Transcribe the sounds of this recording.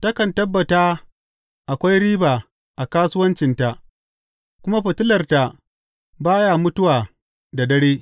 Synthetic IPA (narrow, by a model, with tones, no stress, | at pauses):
tɐ˦kɐ˨ntɐ˦bːɐ˨taː˦ | ʔa˨kʷa˦jɾiː˦baː˨ | ʔa˨kaː˦sʊ˦wɐ˦nt͡ʃɪ˨nta˨ʔ | kʷʊ˦ma˦ɸɐ˨tʊ˦lɐ˨rta˨ | baː˦ja˦˨mʊ˦tʊ˦waː˨ | da˨dɐ˦ɽeː˦